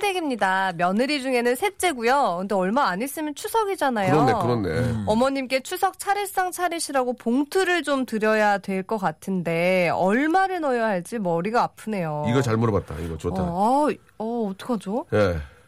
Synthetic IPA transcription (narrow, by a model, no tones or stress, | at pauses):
deɡimɲidamjʌnɯɾid͡ʑuŋe̞nɯnsʰe̞t͡ɕ͈e̞ɡujokʰɯndeʌɭmaːɲis͈ɯmjʌnt͡ɕʰusʰʌɡid͡ʑanajɯoɾʌnːekɯɾʌnːḛʌmʌɲimk͈e̞t͡ɕʰusʰʌk̚t͡ɕʰaɾiɭs͈aŋt͡ɕʰaɾiɕʰiɾaɡopoŋtʰuɾɯɭt͡ɕomtɯɾjʌjadwe̞ɭk͈ʌk͈atʰɯnde̞ʌɭmaɾɯɭnʌjʌɦaɭt͡ɕ͈imʌɾiɡaːpʰɯne̞joiɡʌt͡ɕaɭmoɾɯbat̚t͈a̰ḭɡʌt͡ɕotʰaa | ʌːt͈ʰɯ̥kʰad͡ʑoje̞